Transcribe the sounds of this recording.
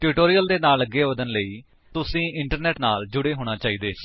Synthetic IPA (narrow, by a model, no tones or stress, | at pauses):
ʈʊːʈoːɾijəld̪eːnaːləɡːeːʋəd̪ənləiː | t̪ʊsĩːʔɪɳʈəɾnɛːʈnaːld͡ʒʊɽeːɦoːɽ̃aːt͡ʃaːiːd̪eː